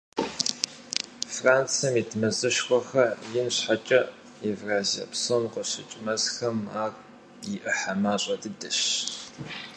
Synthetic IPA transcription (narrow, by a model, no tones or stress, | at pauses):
fraːnt͡sʰɐmitʰmɐzɨʃxʷɔxɐjɪnɕħat͡ʃʼɐ | evraːziɐ̰psomqəɕɪt͡ʃʼmɐzxɐmaːr | jɪʔɨħamaːɕʼɐdɨdɨɕ